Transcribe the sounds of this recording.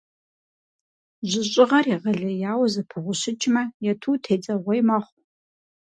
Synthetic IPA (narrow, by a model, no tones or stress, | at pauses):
ʑɪɕʼɪʁɐriʁɐɮɐjaːwɐzɐpʰɨʁʷʊɕɪt͡ʃʼmɐjɛtʰuːtʰeːd͡zʼɐʁʷɔjmɐχʷ